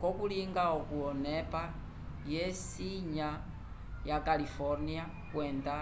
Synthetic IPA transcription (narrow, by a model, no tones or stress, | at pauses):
kɔkuliŋɡaɔkuɔnɛpa | jɛsiɲa | jakalifɔɾnia | kwɛnda